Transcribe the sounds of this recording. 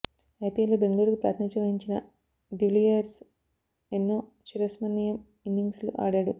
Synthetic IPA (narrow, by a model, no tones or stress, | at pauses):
epielobeŋɡɐɭuːɾukupɾa̰ːt̪ʰnit͡ʃɐʋɐɦiɲt͡ʃinɐ | ɖiʋlijɐɾs | enːoː | t͡ʃiɾɐsmɐnːijɐm | inːiŋɡslṵʔa̰ːɽaːɽu